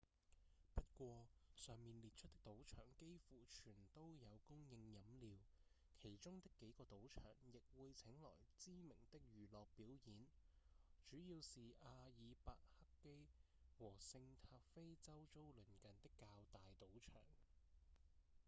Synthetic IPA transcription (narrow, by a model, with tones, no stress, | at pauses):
pɐ˥t̚kʷɔː˧sœː˨ŋmiː˨nliː˨t̚t͡ʃʰɵ˥t̪̚ɪ˥k̚t̪o˨˥wt͡ʃʰœ̰ː˨˩ŋke˥jfuː˨˩t͡ʃʰyː˨˩nt̪o˥wjɐ˨˧wkʊ˥ŋjɪ˧ŋjɐ˨˥mliː˨˧w | kʰe˨˩jt͡ʃʊ˥ŋt̪ɪ˥kːe˨˥jkɔː˧t̪o˨˥wt͡ʃʰœ̰ː˨˩ŋjɪ˨k̚wuː˨˧jt͡sʰɪ˨˥ŋlɔ̰ː˨˩jt͡siː˥mɪ˨˩ŋt̪ɪ˥k̚jyː˨lɔː˨k̚piː˨˥wjiː˨˥n | t͡ʃyː˨˥jiː˧wsiː˨ʔaː˧jiː˨˧paː˧k̚hɐ˥kkːe˥j | wɔː˨˩sɪ˧ŋt̪ʰaː˧p̚fe˥jt͡sɐ˥wt͡so˥wlɵ˨˩nkɐ˨nt̪ɪ˥kːaː˧wt̪aː˨jt̪o˨˥wt͡ʃʰœ̰ː˨˩ŋ